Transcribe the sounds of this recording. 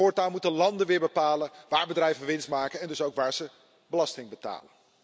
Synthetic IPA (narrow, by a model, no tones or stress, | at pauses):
oːɹtaːlˠmutəlɑndənʋɪːɹbəpaːlənʋaːɹbədrɛjvəʋɪnstmaːkənɛndɵsowkʋaːɹz̥ə | bəlɑstɪŋbəta̰ːlən